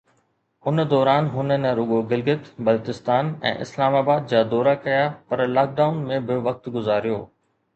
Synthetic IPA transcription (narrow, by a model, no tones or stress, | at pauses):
ʊnəd̪ɔːɾaːnɦʊnənɾʊɡoɡɪlɡɪt̪bɐlt̪ɪst̪aːnɛ̰̃ːʔɪ̰slaːmaːbaːd̪̚d͡ʑaːd̪ɔːɾakɐjapɐɾlaːk̚ɖaːʊnmẽbɪʋɐk̚t̪ɡʊzaːɾijo̰ː